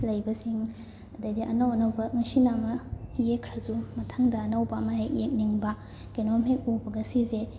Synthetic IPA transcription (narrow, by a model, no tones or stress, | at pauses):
lɐjbɐsiŋ | ɐdɐjdiʔɐnɐwɐnɐwbɐŋɐsinamɐjekʰɾɐzumɐtʰɐŋdɐːnɐwbɐːmɐhejek̚niŋbɐ | kenomik̚ubɐɡɐsize